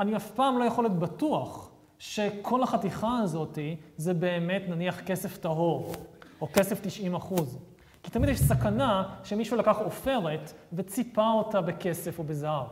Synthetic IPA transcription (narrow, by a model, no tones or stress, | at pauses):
aniafpaːmlo̞jaχo̞letbatuaχ | ʃekʰo̞lhaχatiχaːzo̞tizebe̞ːme̞tnaniaχke̞se̞ftaɦo̞ʁo̞ke̞seftiʃʔimaχuz | ki̥t̪amidjɛʃsakanaʃemiʃulakaχo̞fe̞ʁe̞tve̞t͡sipao̞tabe̞ke̞se̞fo̞bezaav